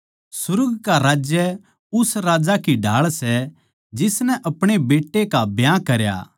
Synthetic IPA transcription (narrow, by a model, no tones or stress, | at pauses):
sʊɾɡkaɾaːd͡ʒjə | ʊsɾaːd͡ʒakiɖʱaːɭsɛ | d͡ʒɪsnɛ̃ʔɐpɽ̃ebeːʈːekabjãkɐɾja̰ː